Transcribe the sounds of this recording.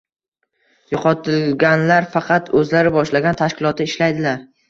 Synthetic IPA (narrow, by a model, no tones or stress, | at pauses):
jʊqʰɒt̪ʰɪlɡʲanlaɾfɑqʰɑt̪ʰɵzlaɾɪbɒʃlaɡʲant̪ʰaʃkʲɪlˠɒt̪ɪɪʃlajd̪ɪlaɾ